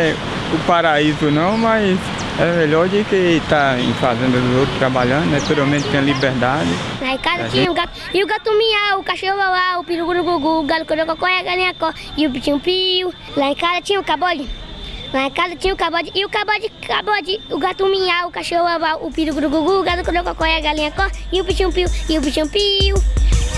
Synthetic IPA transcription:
ɛ | ʊpaɾaizʊnɐ̃w̃majz | ɛmeʎɔɾd͡ʒɪket̪aḛ̃fazẽnd̪ɐd̪ʊzowt̪ɾst̪ɾabaʎɐ̃nd̪ʊnɛpeɾiawmẽnt̪ɪt̪ẽɐ̃libeɾd̪ad͡ʒɪlaẽkazɐt͡ʃĩɲɐ̃uɡa | ɪuɡat̪ũmĩɲaʊkaʃeobabaupiɾuɡuɾʊɡuɡuɡalukobokɔkɔɛaɡalẽakɔ | iup̬it͡ʃĩũpiu | laẽkazɐt͡ʃĩɲɐ̃ukabɔd͡ʒilaẽkazɐt͡ʃĩɲɐ̃ukabɔd͡ʒiʔːukabɔd͡ʒikʰabɔd͡ʒiuɡat̪ũmĩaukaʃeobabaːpiɾuɡud̪uɡuɡuːɡalukod̪ekɔkɔjaɡalĩakɔiupit͡ʃĩũpiuiup̬it͡ʃĩũpiu

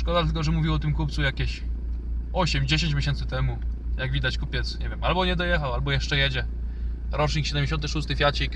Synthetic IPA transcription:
ʂkɔd̪at̪ɘlkɔʐɛmuvʲiwɔt̪ɘmkup̚t̪sujakʲeɕ | ɔɕɛmd͡ʑeɕẽɲt͡ɕmʲjeɕ̬ɛnt̪sɘt̪ɛmu | jaɡvʲid̪at͡ɕkupʲjɛt̪sɲɛvʲjɛmalbɔɲɛd̪ɔjɛxawalbɔjɛʂt͡ʂɛjɛd͡ʑɛ | ɾɔt͡ʂɲikɕɛd̪ɛmd͡ʑeɕ̬ɔnt̪̬ɘʂust̪ɘfʲjat͡ɕik

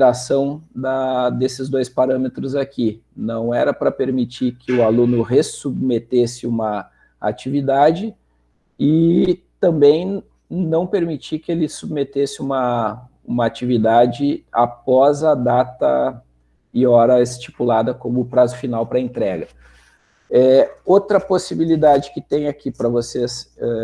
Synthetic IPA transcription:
ɾasɐ̃w̃d̪ɐd̪esɪzd̪ojspaɾɐ̃met̪ɾʊzakinɐ̃w̃ɛɾɐpɾɐpeɾmit͡ʃikɪʊalũnʊɦesubmet̪esɪũmɐ | a̰t͡ʃivid̪ad͡ʒɪ | ɪt̪ɐ̃mbẽj̃ | nɐ̃w̃peɾmit͡ʃikɪelɪsubmet̪esɪũmɐ | ũmɐat͡ʃivid̪ad͡ʒɪa̰pɔzɐd̪at̪ɐ | ɪɔɾɐest͡ʃi̥pulad̪ɐkõmʊpɾazʊfinawpɾɐẽnt̪ɾɛɡɐ | ɛowt̪ɾɐposibilid̪ad͡ʒɪkɪt̪ẽj̃akipɾɐvosesɛ

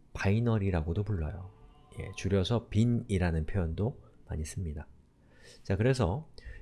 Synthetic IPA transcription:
painʌɾiɾaɡodopuɭːʌ̰jo | je̞̰t͡ɕuɾjʌsʰʌpiniɾanɯnpʰjojʌndoma̰ɲis͈ɯmɲida | t͡ɕakɯɾe̞s̬ʰʌ

